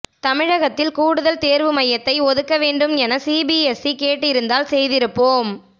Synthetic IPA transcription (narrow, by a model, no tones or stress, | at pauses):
t̪ɐmɪɻɐɣɐt̪ːɪlkuːɽɯðɐlt̪eːɾʋɯmɐjːɐt̪ːɐɪɔðɯkːɐʋeːɳɖɯmɛnɐsiːbiɛsikeːʈːɪɾɯnd̪aːlsɛjðɪɾɯpːoːm